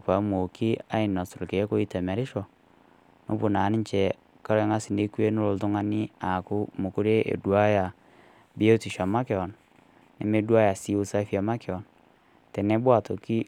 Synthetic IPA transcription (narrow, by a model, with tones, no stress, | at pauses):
ka˨˦mo˨ki˦a˦i˨nɔ˨so˨lke˨˦ko˦i˦tɛ˨mɛ˨ɾɪ˦ʃɔ˨ | no̰˦bu˨na˨˦ni˦ɲt͡ʃɛ˨ | ka˦ɾe˦ŋa˦si˨ne˦ku˦e˦no˦ɾo˨ltu˦ŋa˦ni˦a˨ku˦mo˨ku˦ɾe˦ʔḛ˨dwa˦ja˨ | bi˦o˦ti˨ʃa˨ma˦ke˨ɔ˨n | ne˨me˦dwa˦ja˨si˦u˦sa˦fi˦a˨ma˦ke˨ɔ˨n | tɛ˨ne˦bwa˨to˨ki˦